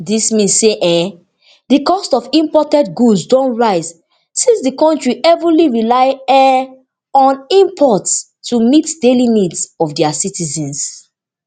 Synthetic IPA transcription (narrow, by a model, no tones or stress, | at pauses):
dismĩnsseʔɛ̃ | dikɔstɔfĩmpɔtɛ̃ntɡudzdɔ̃nɹaɪz | sĩnsdikɔ̃ntɹiʔɛvũliɹilaɪɛ | ɔ̃nĩmpʰɔts | umitdelinidsɔfdɛasitizɛ̃ns